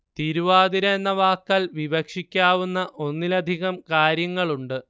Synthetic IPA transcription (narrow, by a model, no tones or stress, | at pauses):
t̪iɾuʋaːd̪iɾɐnːɐʋaːkːɐlʋibɐkʂikʲːaːʋunːɐʔo̞nːilɐd̪ʱiɣɐmkaːɾjɐŋːɐɭuɳɖɨ